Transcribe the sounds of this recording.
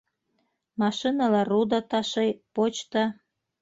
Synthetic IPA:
mɑʃinɑlɑrud̪ɑt̪ɑʃejpot͡ɕt̪ɑ

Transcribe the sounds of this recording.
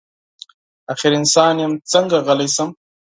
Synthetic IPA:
axɪɾɪnsɑːnjamt͡səŋɡaɣəlajsəm

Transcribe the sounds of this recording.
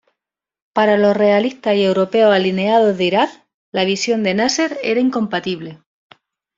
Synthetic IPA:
paɾalo̞sre̞aliht̪aɦie̞wɾo̞pe̞osaline̞að̞o̞ɦðiɾak | laβ̞isjo̞nd̪enase̞ɾḛɾaiŋko̞mpat̪iβ̞le̞

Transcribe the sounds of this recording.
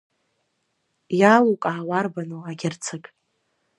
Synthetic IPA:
jalukʼaːwarbanoaɡʲɪrt͡sʰakʼ

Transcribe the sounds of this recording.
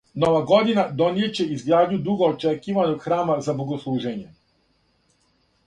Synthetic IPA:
no̞ʋaɡo̞d̪inad̪o̞nijet͡ɕeizɡɾaːd̪ɲud̪uɡoːt͡ʃekiːʋanoɡxɾaːmazaboɡoslˠuːʒeɲe

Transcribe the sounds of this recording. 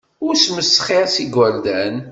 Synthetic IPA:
ʊɾsməsːχisiɡæɾd̪æn

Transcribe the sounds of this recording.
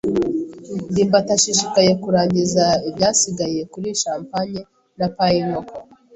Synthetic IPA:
ndiːmbataʃiʃikaje̞kuɾaːɲɟizaibjaːsiɡajie̞kuɾiʃaːmpaɲe | napajiŋoko

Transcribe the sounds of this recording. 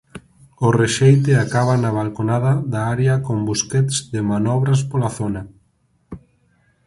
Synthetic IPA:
oreʃejt̪ɪakaβ̞anaβ̞alkonaðaðaaɾeakombuskɛt̪zðɪmanɔβɾaspolaθona

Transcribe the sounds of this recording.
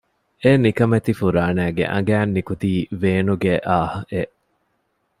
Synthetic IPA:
eːnikɐmet̪ifuɾaːnæːɡḛʔɐ̰̃ŋɡæːnːikut̪iːʋeːnuɡeʔaːhɐʔeʔ

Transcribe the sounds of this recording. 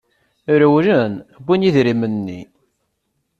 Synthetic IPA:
ɾəwɾənbiniðɾimənːḭ

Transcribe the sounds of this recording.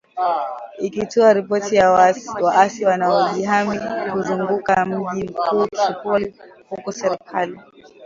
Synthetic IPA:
ikituaɾipɔtiwaʔasiwanaɔʄiɦamikuzuŋɡukam̩ʄim̩kuːkiukulihukɔsɛɾikʰali

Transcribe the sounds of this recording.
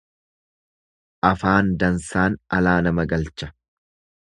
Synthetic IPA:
ʔɐfaːnd̪ɐnsaːnɐlaːnɐmɐɡɐlt͡ʃɐ̥

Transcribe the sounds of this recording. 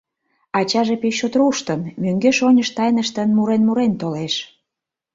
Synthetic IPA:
ɑt͡ɕɑʒepeot̪ruʃt̪əmmøŋɡeʃonʲəʃt̪ɑjnəʃt̪ənmuɾenmuɾent̪oleʃ

